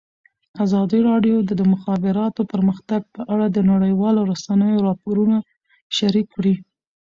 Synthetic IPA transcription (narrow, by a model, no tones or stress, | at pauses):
azɑd̪iɾɑɖjod̪əd̪əmʊxɑbɪɾɑt̪opəɾməxt̪aɡ̚pəʔaɽad̪ənaɽəjwɑloɾasanəjoɾɑpoɾuna | ʃaɾikːɽi